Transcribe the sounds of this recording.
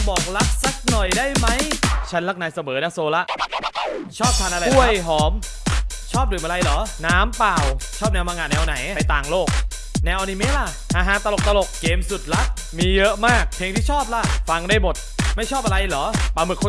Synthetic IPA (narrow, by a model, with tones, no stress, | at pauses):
bɔː˨˩k̚la˦˥k̚sa˦˥k̚nɔ˨˩jdaː˥˩jma˦˥jt͡ɕʰa˦˥nla˦˥k̚naː˧jsa˧mɤː˩˦na˦˥soː˧la˦˥ʔ | t͡ɕʰɔː˥˩p̚t̪ʰa˧nʔa˧ɾa˧˥˩əjɦɔː˩˦m | t͡ɕʰɔː˥˩p̚lɯ˨˩˦mʔa˧a˧jlɔː˩˦naː˦˥mpaː˨˩wt͡ɕʰɔː˥˩p̚nɛː˧wmaː˧ŋaː˧˩nɛː˧wna˨˩˦ja˧jt̪aː˨˩ŋloː˥˩k̚ | nɛː˧wni˨˧˦meː˦˥la˧˩ | haː˨˦ɦaː˨˦nt̪a˧lo˨˩k̚t̪a˧lo˨˩kːeː˧msu˨˩t̪̚la˦˥ | miː˧jɤ˦˥ʔmaː˥˩k̚pʰeː˧ŋt̪ʰiː˥˩ɔː˥˩p̚la˦˥fa˧ŋdaː˥˩jmo˨˩t̪̚ma˥˩jt͡ɕʰɔː˥˩p̚ʔa˧ɾa˧jlɔː˩˦paː˨˧˩mɯ˨˩kʰːo˧